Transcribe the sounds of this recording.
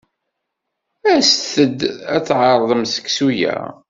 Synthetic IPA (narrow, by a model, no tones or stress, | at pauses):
æsθəd̪æt͡sːʕɑɾˤðˤəmsə̥kːsujæ̰